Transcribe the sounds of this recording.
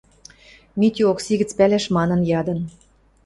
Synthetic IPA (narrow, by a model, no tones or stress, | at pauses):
mit̪ʲyoksiɣɘ̆t͡spælæʃmɑnɤ̆njɑd̪ɤ̆n